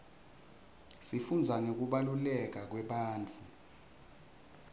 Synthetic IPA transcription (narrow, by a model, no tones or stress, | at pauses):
sifund͡zʱaŋok̬uɓalulɛk̬ak̬wɛɓaːnt͡fʰʼu